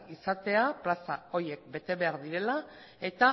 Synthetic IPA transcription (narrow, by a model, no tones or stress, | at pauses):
isat̪e̞aplasao̞ɾje̞k̚be̞t̪e̞βe̞aɾðiɾe̞la | e̞t̪a